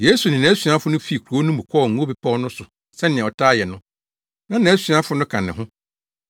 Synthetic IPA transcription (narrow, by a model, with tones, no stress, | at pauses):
je˦su˨nɪ̃˨nã˨˦sɥa˦fʊ˦nʊ̃˦fi˦˨kʰu˨o˦nʊ̃˦bũ˨kʷʰɔ˦˨ŋ̩˨ũ˦bi˨pʰɔ˦ɔ˦nʊ̃˦sʊ˨ | sɛ˦nɪ̃˨ɛ̃˨ɔ˨tʰaː˦jɛ˨nʊ̃˦ | nã˦nã˨æ˦sɥã˦fʊ˦nʊ̃˦kʰã˨nːɪ̃˨ɦʊ̃˦